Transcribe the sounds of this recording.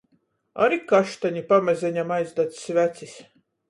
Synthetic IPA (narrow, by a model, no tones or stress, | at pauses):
a̰ɾikaʃt̪aɲʲipamɛzʲɛɲʲamajzd̪at̪ssʲvæt̪sis